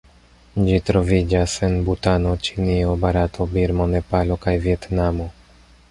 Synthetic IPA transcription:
d͡ʑit̪ɾɔvʲid͡ʑasɛnbut̪anɔt͡ɕiniɔbaɾat̪ʰɔbiɾmɔnɛpalɔkajvʲjɛt̪namu

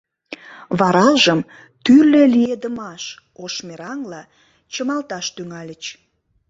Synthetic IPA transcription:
βɑɾɑlʒəm | t̪yrlelijed̪əmɑʃ | oʃmeɾɑŋlɑ | t͡ɕəmɑlt̪ɑʃt̪yŋɑlʲət͡ɕ

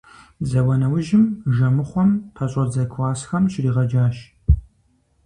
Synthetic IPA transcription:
zɐwɐnɐwʊʒɪmʒɐmɨχʷɔmpʰɐɕʼɔd͡zɐkʷʰwaːsxɐmʃriːʁɐd͡ʒaːʃ

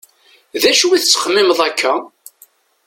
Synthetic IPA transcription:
ðæʃuwiθət͡sːə̥χmɪməðˤækʰːæ

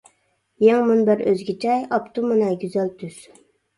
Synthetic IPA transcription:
jɛŋmunbɪɾøzɡʲit͡ʃʰɛjɑpt̪umɨnɛɡʲyzælt̪ʰyz̥

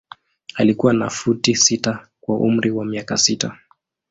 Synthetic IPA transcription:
alikuwanafutisita | kwaʔṵm̩ɾiwamiakasita

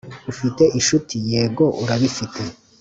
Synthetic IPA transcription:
ufite̞ʔiʃutʰije̞ːɡo̞ʔuɾaβifitʰe

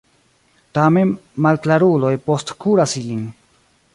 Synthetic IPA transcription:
tamenmalklaɾulojpostkuɾasiliŋ

